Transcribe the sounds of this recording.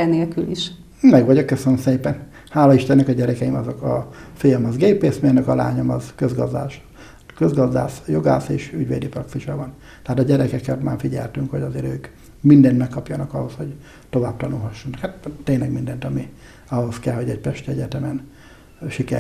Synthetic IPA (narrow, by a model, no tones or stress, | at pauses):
ɛneːlkyliʃ | mɛɡʋɒɟokːøsønømseːpɛn | haːlɒiʃt̪ɛnːɛkɒɟɛɾɛkɛimɒzokɒfijɛmɒzɡeːpeːsmenøkɒla̰ːɲomɒzkøzɡɒzd̪a̰ːʃ | køzɡɒzd̪a̰ːsjo̞ɡa̰ːseːʃyɟʋḛːd̪ipɾɒksiʃɒvɒn | t̪ɛɦaːt̪ɒɟɛɾɛkɛkɛt̪maːfiɟɛ̰lt̪yŋkhoɟɒzeːɾøːk | mind̪ɛnt̪mɛkːɒpjɒnɒkɒho̞sho̞ɟ | t̪o̞vaːb̚t̪ɒnulɦɒʃːonːkhat̪t̪ːeːɲlɛɡmind̪ɛnt̪ɒmi | ɒɦo̞skɛlhoɟɛɟ̚pɛʃt̪ɛɛɟɛt̪ɛmɛn | ʃikɛ̰